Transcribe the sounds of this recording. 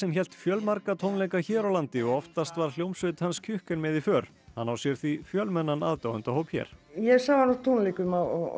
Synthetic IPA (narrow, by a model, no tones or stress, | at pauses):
sɛmçɛl̥t̪fjœlmaɾkat̪ʰownlekaçɛːɾawlant̪ɪɔɣɔft̪ast̪vaɾ̥l̥jowmsʏt̪hanscʰʏhkʏnmɛðifœːɾ̥ | hanːawsjɛɾ̥θifjœlmɛnːanaːðt̪aːwʏnt̪ahoːwpçjɛ̰ɾ̥jɛsavanɔt̪ʰownlikʏmaɔ